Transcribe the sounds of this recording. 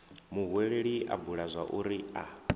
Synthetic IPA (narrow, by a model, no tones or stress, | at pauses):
muɦweɺeɺiʔa̰buɺazʷaʔuɾia̰